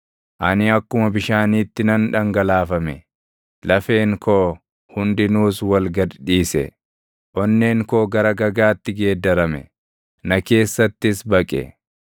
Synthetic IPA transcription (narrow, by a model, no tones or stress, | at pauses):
ʔɐnɪɐkːʊmɐbɪʃaːniːt̪ːɪnɐnᶑɐŋɡɐlaːfɐmɛ | lɐfe̞ːŋkʰoː | hʊnd̪ɪnuːswɐlɡɐd̪iːsɛ̰ | ʔɔnːe̞ːŋkoːɡɐɾɐɡɐɡaːt̪ːɪɡe̞ːd̪ːɐɾɐmɛ̰ | nɐke̞ːsːɐt̪ːɪsbɐkʼɛ̰